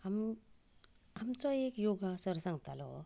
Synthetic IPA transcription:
am | amt͡sajekjoɡasəɾsaŋt̪alɔ̰

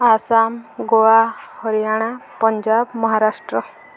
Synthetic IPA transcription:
asamɡowahɔɾijaɽ̃apɔɲd͡ʒabmɔɦaɾaʂʈɾɔ

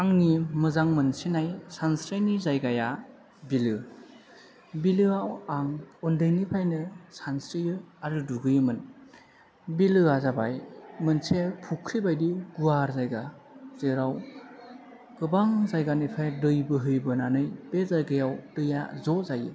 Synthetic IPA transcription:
aŋnimɯzaŋmɯnsinajsansɾajnizajɡaja | bilɯ | bilɯawaŋɔndɯjnipʰajnɯsansɾijɯaɾɯduɡɯjɯmɯn | bilɯazabajmɯnsepʰukʰɾibajdiɡuaɾzajɡa | z̥ɯɾaw | ɡ̥ɯbaŋzajɡanipʰajdɯjbɯɦɯjbɯnanɯjbezajɡajawdɯjazɔzajɯ

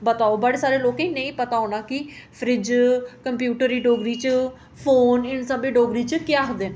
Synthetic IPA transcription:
bət̪aːobaːɽeːsaːɾeːloːkẽːnəĩːpət̪aːonaːki | pʰɾɪd͡ʒkəmpjuːʈəɾiːɖoːɡɾiːt͡ʃə | pʰoːnɪnsəbiːɖoːɡɾiːt͡ʃkɪjaːɦd̪eː

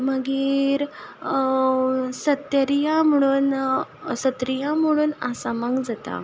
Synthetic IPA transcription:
məɡiːɾ | sət̪jəɾijam̤əɽ̃uːnsət̪ɾijãm̤uɽ̃uːnasamãŋɡd͡zat̪a̰

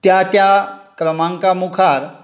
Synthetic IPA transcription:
t̪jat̪jakɾəmãŋkamukʰaɾ

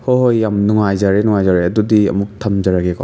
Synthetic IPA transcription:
hoɦojːamnuŋajzaɾenuŋajzaɾeɐdudiɐ̰muk̚tʰamzaɾaɡeɡɔ̰

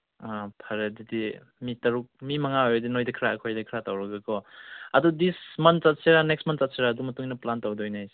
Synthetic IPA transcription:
apʰɐɾedidi | mitɐɾuk̚mimɐŋaojdinojdikʰɾaːkʰojdikʰɾatawɾɐɡakɔɐdudismɐntt͡ʃat̚seɾanekstmɐnsat̚seɾaːdumɐtuŋnɐplantawdɔɔjnaajs

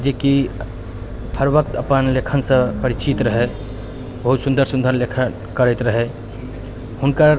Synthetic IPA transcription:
d͡ʒeki | pʰəɾbəkt̪əpənlekʰənsə̃pəɾit͡ʃit̪ɾəɦɛ | bəɦut̪sund̪əɾsũnd̪ʱəɾlekʰən | kəɾɛt̪ɾəɦɛ | hunkə

